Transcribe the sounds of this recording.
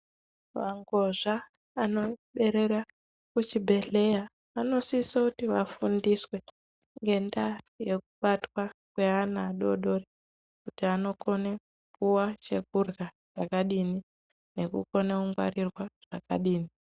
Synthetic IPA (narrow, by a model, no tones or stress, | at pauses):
ʋaŋɡo̞ʐaː | no̞ɓe̞ɾe̞ɾa | kut͡ʃibʱe̞ɮe̞ja | ano̞sisakutiʋafundiswe̞ | ŋɡe̞nda | je̞k̚uɓatwakwe̞anaɗo̞ɗo̞re | kutiano̞kʰo̞ne | puwat͡ʃe̞k̚urɣa | ʐ̥akaɗini | ne̞kṵko̞neuŋɡwa̰rirwaʐ̥aka̰ɗiːni